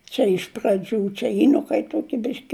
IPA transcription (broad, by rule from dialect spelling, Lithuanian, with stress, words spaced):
ˈt͡ʃʲɛ ɪʃ prɐˈd͡ʒʲuː t͡ʃʲɛ ˈjɪ nʊ kɐɪp ˈtuɔkʲɪ ˈbʲɪʃʲkʲɪ